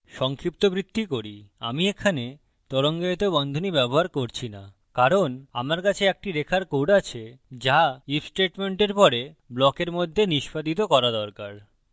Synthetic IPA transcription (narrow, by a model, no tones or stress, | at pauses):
ʃɔŋkʰɾip̚t̪obɾit̪ːikoɾia̰miekʰane | t̪ɔɾoŋɡeet̪obɔnd̪ʱonibɛboɦaɾkoɾt͡ɕʰina̰ | kaɾona̰maɾkat͡ɕʰeek̚ʈiɾekʰaɾkoɖat͡ɕʰed͡ʑaifsʈeʈmeɳʈeɾpɔɾeblɔkeɾmod̪ʱːeniʃpad̪it̪̬okɔɾad̪ɔɾkaɾ